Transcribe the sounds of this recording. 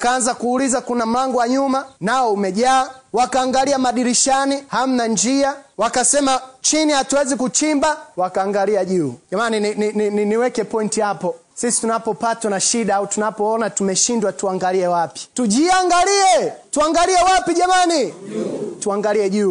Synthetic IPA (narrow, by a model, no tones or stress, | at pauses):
kaanzakuːlizakunam̩laŋɡɔwaɲumanaɔumɛʄaːwakaːŋɡaliamaɗiɾiʃaniham̩nand͡ʒiawakasɛmat͡ʃinihatuwɛzikut͡ʃimbawakaːŋɡaliaʄuːʄamaninininininiwɛkɛpɔintihapɔ | sisi̥tunapɔpatwanaʃiɗaautunapɔɔnatumɛʃindwatuaŋɡaliɛwapi̥tuʄiaŋɡaliɛtuaŋɡaliɛwapiʄamani | tuaŋɡaliɛʄuː